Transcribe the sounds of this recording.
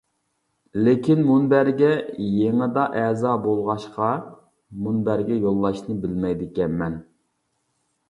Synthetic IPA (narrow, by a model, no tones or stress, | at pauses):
lekʲinmunbæɾɡʲɛjeŋɪd̪ɑʔɛzɑːbolˠʁɑʃqɑ | munbæɾɡʲɛjolˠːɑʃnɨbɪlmɛjd̪ɪkʲɛnmɛn